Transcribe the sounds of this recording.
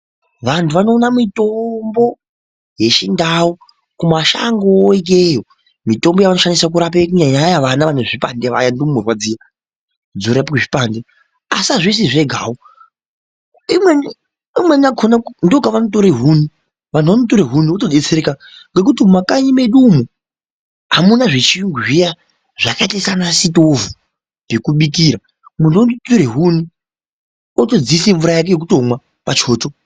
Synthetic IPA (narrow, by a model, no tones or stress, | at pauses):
ʋantʰuʋano̞ːnamitombo̞ | je̞ʃindao | kumaʃa̰ŋɡoik̬ejo | mito̞mbo̞jaʋano̞ʃanisak̬uɾap̬ek̬uɲaɲajaʋanaʋaneʐipandeʋa̰jandoomurwad͡ziːja | d͡zoɾapakuʐipande | asaʐisiʐe̞ɡʱa̰ːo | imwen | imwe̞niakʰonakndokaʋanot̬o̞ɾeɦuni | ʋan̤uʋanotoɾeɦuniotoɗet͡seɾekaŋɡek̬utimumakaɲimeɗumo | ɦamunaʐet͡ʃiŋɡija | ʐ̥akatesanasitovu | pekuɓik̬iːɾa | mundondotoɾeɦuni | oto̞d͡ziseɱvuɾajak̬ejek̬uto̞mwa | pat͡ʃoːto